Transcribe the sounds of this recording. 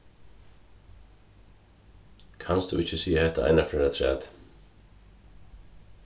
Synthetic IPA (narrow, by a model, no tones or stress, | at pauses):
kʰansd̪ṵːʔɪcːəsiːahɛt̪ːaʔa̰jnafɾɛːɾat̪ʰɾɛ̰ːt̪